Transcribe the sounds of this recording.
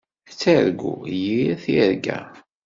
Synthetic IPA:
t͡sːæɾɡujiθiɾɡæ̰

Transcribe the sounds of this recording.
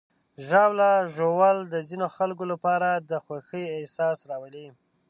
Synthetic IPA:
ʒɑwlaʒowald̪əzinoxalkolapɑɾad̪əxwaxəjesɑsɾɑwəli

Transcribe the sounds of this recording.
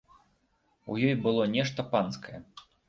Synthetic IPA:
ṵjɔjbɨlˠɔnʲɛʂt̪ɐpanskɐjɛ

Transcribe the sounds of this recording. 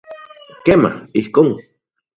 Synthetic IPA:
kema̰ihkoŋ

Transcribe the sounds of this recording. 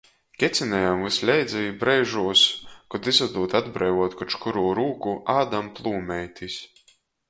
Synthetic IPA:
kʲɛt̪sʲinɛjamvɨslʲɛjd̪zʲɛjbɾɛjʒuɔskɔd̪izɔd̪uːt̪ad̪bɾɛjvuɔt̪kɔt͡ʃkuɾuːɾuːkuʔaːd̪amplˠuːmʲɛjt̪is

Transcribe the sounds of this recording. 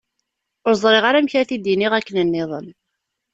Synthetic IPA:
ʊɾzˤɾˤeʁaɾæmçæθid̪iniʁækːənənːɪðˤən

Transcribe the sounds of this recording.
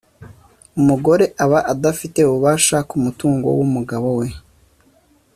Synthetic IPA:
umuɡo̞ɾe̞ʔaβaʔadafite̞uβuβaːʃakumutuːŋɡo̞̰wumuɡaβo̞we̞

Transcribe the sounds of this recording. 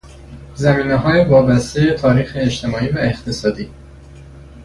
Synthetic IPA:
zæmiːneɦɒːjevɒːbæst̪ejet̪ʰɒːɾiːxeːʃt̪ʰe̞mɒːiːvæe̞xt̪ʰe̞sɒːd̪iː

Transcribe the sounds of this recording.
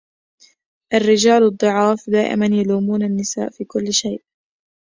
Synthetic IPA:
ʔarːɪd͡ʒaːlɑd̪ˤːɨʕɑːfd̪aːʔɪ̰manjaluːmuːnanːɪsa̰ːʔfiːkʊlːʃajʔ

